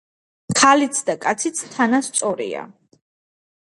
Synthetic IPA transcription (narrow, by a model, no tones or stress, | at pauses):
kʰalit̪sʰd̪akʼat̪sʰit̪sʰt̪ʰːanast̪sʼɔɾḭa̰